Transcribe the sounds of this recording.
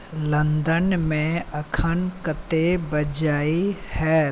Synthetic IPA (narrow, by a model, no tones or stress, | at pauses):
lə̃nd̪ənmẽɐkʰənkət̪ebɐd͡ʒaːihɛː